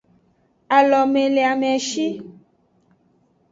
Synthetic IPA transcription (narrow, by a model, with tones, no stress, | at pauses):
a˨lɔ˨me˨le˨a˨mɛ̃˨ʃi˦